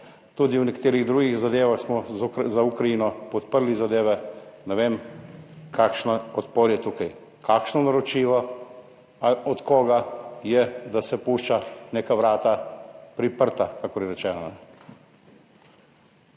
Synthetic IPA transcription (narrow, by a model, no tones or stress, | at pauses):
t̪uːd̪iwnɛkt̪eːɾiɣd̪ɾuːɡiɣzad̪eːʋaxsmɔzaukɾajinɔpɔt̪pəɾlizad̪eːʋɛnɛʋeːm | kakʃnaɔt̪poɾjɛt̪uːkaj | kakʃnɔnaɾɔt͡ʃiːʋɔ | ɔt̪kɔːɡajɛd̪asɛpuːʃt͡ʃaneːkaʋɾaːt̪apɾipəɾt̪akakɔɾjɛɾɛt͡ʃɛːnanɛ